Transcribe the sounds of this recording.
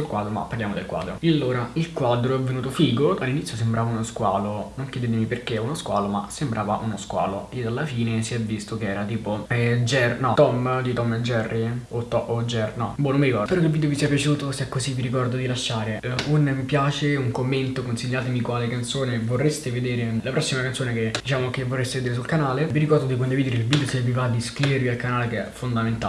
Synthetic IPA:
sulkwaːd̪ɾoma̰pːarljaːmod̪elkwa̰d̪ɾo̰ialːoːɾailkwad̪ɾoɛvːenuːt̪ofiːɡoalːinit̪sjosembɾʔaːvaunoskwaːlonoŋkjɛd̪eːt̪̬emiperkeunoskwa̰ːloma̰sembɾʔaːvaʔunoskwa̰ːloed̪alːafiːnesiɛvːist̪okeɛːɾat̪iːpoɛd͡ʒɛrnɔt̪ɔmd̪it̪ɔmd͡ʒɛrːiot̪ːɔod͡ʒɛrnɔ̰bɔnomiɾikɔɾrpeɾɔkilvid̪eovisiapjat͡ʃeuːt̪osɛkːoziviɾikɔrd̪od̪ilaʃːaːɾeunmipjaːt͡ʃeuŋkomːent̪okonsiʎːaːt̪emikwaːlekant̪soːnevorːest̪eved̪eːɾelapɾɔsːimakant̪soːneked̪̥it͡ʃaːmokevːorːest̪eved̪eɾes̬ulkanaːleviɾikɔrd̪od̪ikond̪ivid̪eɾeilvid̪josevivad̪ːiskɾiveɾvialkanaːlekeɛ̰fond̪ament̪a

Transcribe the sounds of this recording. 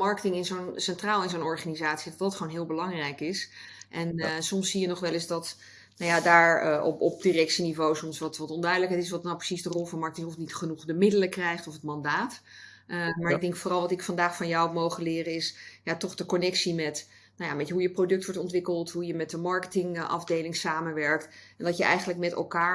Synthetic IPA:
mɑɹkətɪŋɪnzownsɛntraːlˠɪnzownɔɹχanizaːtsidɑtdɑtχownɦɪːlˠbəlɑŋrɛjkɪsʔɛnsɔmsːijənɔχʋɛlɪsdɑt | nawjadaːɹɔ̰ɔp̚dirɛk̚sinivowsɔmsʋɑtʋɑtɔndœɥdələkɦɛtɪsʋɑtnawprə̥sizdərɔlˠvɑnmɑɹkətɪŋɔfnitχənuχdəmɪdələkrɛjχtɔfɦətmɑndaːt | maɹɪɡ̚dɛŋkfʊrɑlˠʋɑtɪkfɑndaːχfɑnjawmowχəlɪːrəɪsjaːtɔχdəkɔnɛksimɛt | nawjambeçəɦujəprodɵk̚tʋɔɹtɔntʋɪkəlˠtɦujəmɛtdəmɑɹkə̥tɪŋʔɑ̰vdejlɪŋsaːmənʋɛɹk̚tɛndɑjəʔɛ̰jχənləkmɛtɛ̰lˠkaːɹ

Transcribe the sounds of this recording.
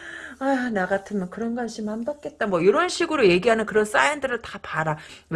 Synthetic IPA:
anaɡatʰɯmjʌnkɯɾʌnɡanɕʰimambak͈̚e̞t̚t͈amwʌjoɾʌnɕʰiɡɯɾoje̞ɡiɦanɯnkɯɾʌns͈aindɯɾɯɭtapaɾaw

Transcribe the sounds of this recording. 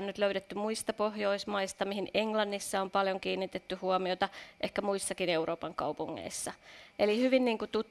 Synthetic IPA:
nnyt̪løyɾet̪ːymuist̪ɑpohjoismɑist̪ɑmihineŋlɑnːisːɑompɑljoŋkiːnːit̪et̪ːyhuomiot̪ɑʔehkæmuisːɑkineuɾoːpɑŋkɑ̰upuŋːḛisːɑʔelihyʋinniːŋkut̪ut̪

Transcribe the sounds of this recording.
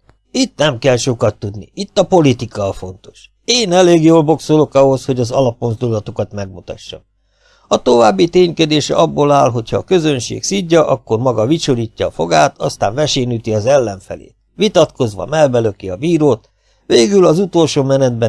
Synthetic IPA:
it̪nɛmkɛlʃo̞kɒt̪ːud̪nḭit̪ːɒpo̞lit̪ikɒːfo̞nt̪o̞̥ʃ | eːnɛleːɡjoːlbo̞ksolo̞kɒɦo̞sho̞ɟɒzɒlɒpmonzd̪ulɒt̪ukɒt̪mɛɡmut̪ɒʃːɒ̰m | ɒt̪o̞vaːbːit̪eːɲked̪eːʃɛ̰ɒbːoːlaːlɦo̞cʰhɒːkø̞zø̞nʃḛːksiɟːɒʔɒkːo̞rmɒɡɒvit͡ʃoliːcːɒːfo̞ɡaːt̪ɒst̪a̰ːɱvɛʃeːnyt̪iɒzɛlːɛɱfɛ̰lḛː | ʋit̪ɒt̪ko̞zʋɒ̰mɛlbɛløkiɒbiːɾoːt̪ | ʋeːɡylɒzut̪o̞lʃoːmɛnɛd̪̚bɛ

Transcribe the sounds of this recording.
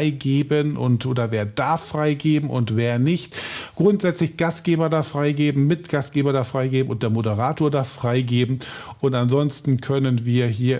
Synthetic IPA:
ɪɡeːbənʔʊntʔoːdɐveːɐd̥aɐfʁ̥aɪɡeːbm̩ʔʊ̰ntveːɐnɪçtɡ̥ʁʊntz̥ɛt͡slɪçɡ̥ast̚ɡ̥eːbɐdaːfʁ̥aɪɡeːbm̩mɪtɡ̥ast̚ɡ̥eːbɐdaːfʁ̥aɪɡeːbm̩ʊnt̚d̥eːɐmodəʁaːtoːɐdaːfʁ̥aɪɡeːbm̩ʔʊntanzɔnstn̩kʰœnənviːɐɦiːɐ

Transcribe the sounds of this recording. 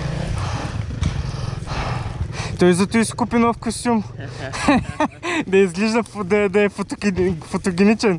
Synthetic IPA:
t̪ɔizɐt̪ɔiskupinɔfkost̪ʲum | d̪ɐizɡliʒd̪ɐfd̪ɐd̪ɐɛfot̪ofot̪oɡʲinit͡ʃɛn

